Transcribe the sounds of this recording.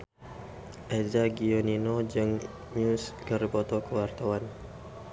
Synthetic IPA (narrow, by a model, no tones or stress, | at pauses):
ʔɛzaɡioninod͡ʒɨŋ | ɲuskəribɔt̪ɔkəwart̪awan